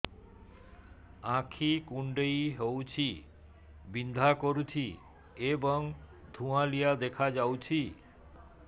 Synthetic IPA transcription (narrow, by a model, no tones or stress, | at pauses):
ãkʰikuɳɖejɦowt͡ɕʰi | bind̪ʱakoɾut͡ɕʰi | eboŋd̪ʱũãlijad̪ekʰad͡ʑawt͡ɕʰi